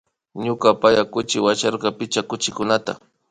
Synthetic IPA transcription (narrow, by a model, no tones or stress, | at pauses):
ɲʊkapajakʊt͡ʃɪwat͡ʃaɾqɑpɪt͡ʃakʊt͡ʃɪkʊnat̪a̰